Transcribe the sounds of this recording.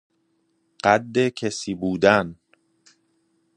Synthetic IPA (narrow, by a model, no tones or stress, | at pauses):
ɢ̥æd̪ːecʰesiːbuːd̪æn